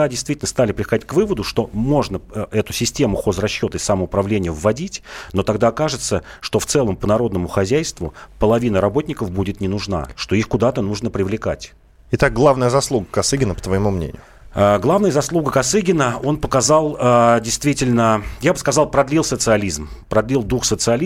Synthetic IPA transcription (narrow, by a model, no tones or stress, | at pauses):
adʲɪjst̪vʲitʲɪlʲnəst̪alʲɪpɾʲɪxɐdʲit̚ʲkvɨvəd̪ʊʂt̪o̞mo̞ʐnəɛt̪ʊsʲɪsʲtʲe̞mʊxo̞zrɐɕːo̞t̪əɪsaməʊpɾɐvlʲenʲɪjəvːɐdʲitʲno̞t̪ɐɡd̪akaʐɨt̪səʂt̪o̞ft̪sɛlˠəmpənɐɾo̞d̪nəmʊxɐzʲæjst̪vʊpəlˠɐvʲinəɾɐbo̞t̪̚ʲnʲɪkəfbudʲɪt̪nʲɪnʊʐna̰ʂt̪o̞ixkʊd̪at̪ənuʐnəpɾʲɪvlʲɪka̰tʲ | ɪt̪ak̚ɡlˠavnəjəzɐslˠuɡəkɐsɨɡʲɪnəpət̪vəjɪmumnʲḛnʲɪjʊ | əɡlˠavnəjəzɐslˠuɡəkɐsɨɡʲɪnəo̞npəkɐzɑlˠədʲɪjst̪vʲitʲɪlʲnəjabɨskɐzɑlˠpɾɐd̪lʲilˠsət̪sɨɐlʲizmpɾɐd̪lʲilˠd̪uxsət̪sɨɐlʲi